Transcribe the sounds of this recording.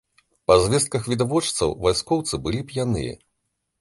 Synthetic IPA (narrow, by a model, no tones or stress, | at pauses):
pɐzʲvʲɛst̪̚kɐxvʲid̪avɔt͡ʂt̪sɐ̰wvajskɔwt̪sɨbɨlʲipʲjanɨ̰jɐ̰